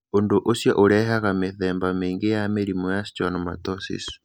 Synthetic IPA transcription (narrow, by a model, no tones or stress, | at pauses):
ondoʔosjaʔoɾɛɦaɣameθɛːmbameːŋɡejameɾimojasi̥t͡ʃanɔma̰tɔsḭsu̥